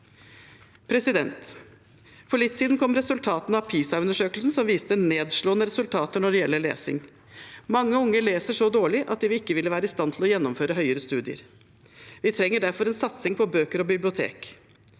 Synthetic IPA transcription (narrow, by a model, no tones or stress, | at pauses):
pʰɾɛsɪd̪ɛnt̪ | fɔɭɪt̪ːsiːd̪nkʰɔmɾɛsʉlt̪ʰɑːt̪nɑpʰiːsɑʉnd̪əʂøːklsn̩sɔmʋiːst̪əneːd̪ʂɭoːənəɾɛsʉlt̪ʰɑːt̪əɳɔɖɛjɛlːəɭḛːsɪ̰ŋ | mɑŋːəʊŋːəɭeːsəʂɔd̪oːɭɪʔɑt̪̚d̪ɛʋɪɪkːəʋɪləʋæːɾəɪst̪ɑnt̪ʰɪlɔjɛnːɔmføːɾəɦœʏəɾəst̪ʉːd̪ɪə̰ɾ | ʋɪt̪ʰɾɛŋːəɖæɾfɔɾɛnsɑt̪sɪŋpʰɔbøːkəɾɔbɪblɪʊt̪ʰḛːk